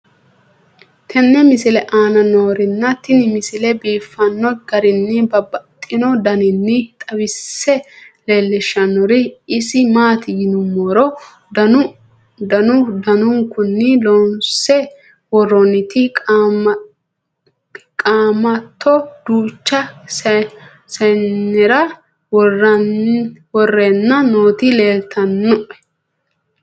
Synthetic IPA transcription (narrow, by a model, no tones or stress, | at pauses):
t̪ʰɛnːɛmɪsɪlɛʔaːnɐno̞ːɾɪnːɐt̪ːɪnɪmɪsɪlɛbiːfːɐnːɔɡɐɾɪnːɪbɐbɐt̪ʼːɪnɔd̪ɐnɪnːɪt̪ʼɐwɪsːɛle̞ːlːɛʃːɐnːɔɾɪɪsɪmaːt̪ɪjɪnʊmːɔɾɔ | dɐ | d̪ɐnʊd̪ɐnʊŋkʊnːɪlɔnsɛ | wɔrɔnɪt̪ɪ | kʼaːmɐt̪ʰːɔd̪̥uːt͡ʃːɐ | sɐnːɛɾɐ | wɔrɐ | wɔrːɛnːɐnoːt̪ɪle̞ːlt̪ʰɐnːɔʔɛ̥